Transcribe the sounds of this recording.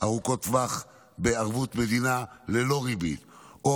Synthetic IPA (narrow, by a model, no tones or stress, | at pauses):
ʔaʁuko̞t̪vaχ | beaʁvut̪me̞d̪inale̞lo̞ʁibḭto